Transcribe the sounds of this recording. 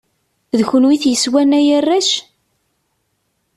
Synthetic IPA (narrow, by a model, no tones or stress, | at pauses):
ðçʊnwiθjəswænæjərːæʃ